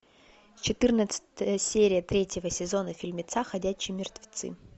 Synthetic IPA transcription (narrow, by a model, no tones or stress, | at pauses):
sʲt͡ɕɪt̪ɨrnət̪sə̥t̪əjəsʲeɾʲɪjət̪ɾʲetʲjɪvəsʲɪzo̞nəfʲɪlʲmʲɪt̪saxɐdʲæɕːɪjəmʲɪrt̪vʲɪ̥t̪sɨ̰